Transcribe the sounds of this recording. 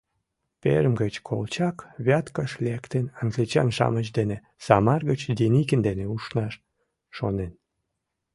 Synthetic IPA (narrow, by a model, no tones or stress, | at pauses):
pḛɾəmɡət͡ɕkʰo̰lt͡ɕɑkβʲɑt̪kəʃlekt̪ənɑŋɡlit͡ɕɑ̰nʃɑ̰mət͡ɕd̪ene | sɑmɑrɣət͡ɕd̪inikənd̪eneuʃnɑʃː | onen